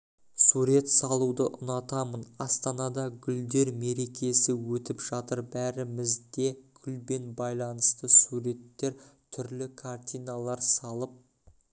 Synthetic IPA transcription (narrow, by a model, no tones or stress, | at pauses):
suɾe̞t̪sɑlˠud̪əʔʊnɑt̪ɑmənɑst̪ɑnɑd̪ɑɡʲʏld̪e̞ɾme̞ɾe̞kʲʰe̞sɪwɵt̪ɪpʒɑt̪əɾbæɾɪmɪzd̪e̞kʲʰʏlbe̞nbɑjlˠɑnəst̪əsuɾe̞t̪ːe̞ɾt̪ʰʏɾlɪkʰart̪ʲijnalˠɑɾsɑlˠəp̚